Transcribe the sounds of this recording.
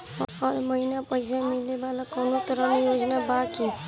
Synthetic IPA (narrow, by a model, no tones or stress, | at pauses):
aɾməɦinapəjsãmɪlebalakoːnot̪əɾənijoːd͡ʒnabaːki